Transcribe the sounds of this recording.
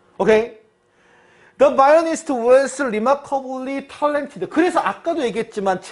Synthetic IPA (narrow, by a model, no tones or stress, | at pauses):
okʰe | d̪ʌbajʌnistʰuweɭsɯɾimakʰʌbɯɭːitʰʌɭːentʰidɯkɯɾe̞sʰʌʔak͈adoje̞ɡiɦet̚t͡ɕ͈imant͡ɕ